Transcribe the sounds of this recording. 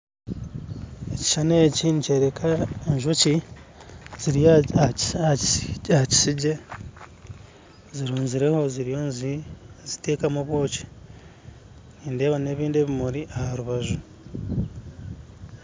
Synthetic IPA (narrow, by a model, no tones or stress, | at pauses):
eci̥ʃaneːcinice̞ːɾe̞kʰaeɲʒuci | z̥iɾij | aci̥siɟe̞ | ziɾuːnziɾe̞ho̞ziɾijonzizite̞ːkamuβwo̞ːci̥ | niːnde̞ːβane̞ːβiːndeːβimuɾiʔahaɾuβaʒu